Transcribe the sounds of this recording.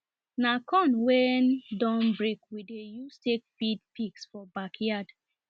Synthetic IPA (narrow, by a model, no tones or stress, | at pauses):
nakɔ̃nwɛndɔ̃nbɹekwidejustekfidpiksfɔbakjad̥